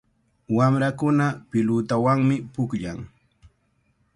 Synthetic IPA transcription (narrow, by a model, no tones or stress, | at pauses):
wamɾakʊnapɪlʊt̪awaŋmɪpʊkʎa̰ŋ